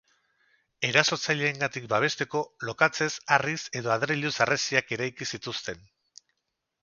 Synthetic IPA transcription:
e̞ɾaso̞t͡saʎe̞ːŋɡat̪ik̚baβ̞e̞st̪e̞ko̞lo̞kat͡se̞sarise̞ðo̞aðɾeʎusaresiake̞ɾajkisit̪ust̪e̞n

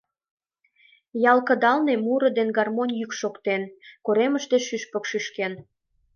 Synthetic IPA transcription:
jɑlkə̆d̪ɑlnemuɾə̆d̪enɡɑrmonʲjykʃokt̪enkoɾeməʃt̪eʃyʃpə̆kʃyʃken

